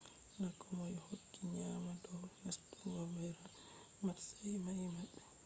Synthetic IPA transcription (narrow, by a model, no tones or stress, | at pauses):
nakɔmɔjhokːiɲaːmadɔwmastuɡawɛɾa | matsajmajmaɓːɛ